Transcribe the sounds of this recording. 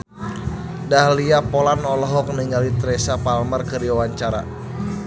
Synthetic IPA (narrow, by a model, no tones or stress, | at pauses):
dahliapɔlanɔlɔɦɔk̚niŋɡalit̪ɾɛsapalmərkəɾiwawaɲt͡ʃaɾa̰